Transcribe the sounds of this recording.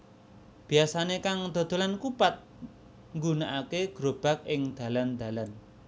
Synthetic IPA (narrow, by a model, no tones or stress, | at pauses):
b̥i̤asanekaŋd̪̥o̤d̪̥o̤lankupat̪̚ | ŋɡunaʔakeɡ̥ɾob̥a̤k̚ʔɪŋd̪̥ä̤land̪̥ä̤lan